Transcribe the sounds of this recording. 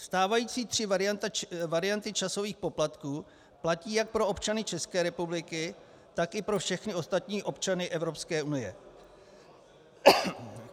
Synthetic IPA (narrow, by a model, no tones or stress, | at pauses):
st̪aːvajiːt͡siːt̪r̥ɪvaɾɪjant̪avaɾɪjant̪ɪt͡ʃaso̞viːxpo̞plat̪kuː | placiːjak̚pɾo̞o̞pt͡ʃanɪt͡ʃɛskɛːɾɛpublɪkɪ | t̪akɪpɾo̞fʃɛxnɪo̞st̪at̪ɲiːʔo̞pt͡ʃanɪʔɛvɾo̞pskɛːunɪjɛ̰